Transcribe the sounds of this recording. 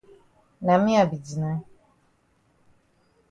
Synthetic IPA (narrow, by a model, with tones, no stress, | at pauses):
nã˨mĩ˦a˨bi˨d͡ʑi˨nã˦